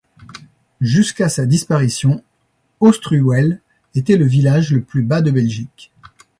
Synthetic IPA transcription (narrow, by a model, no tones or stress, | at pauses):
ʒyskasad̪ispaʁisjɔ̃ | ost̪χywɛl | et̪ɛləvilaʒləplybad̪əbɛlʒik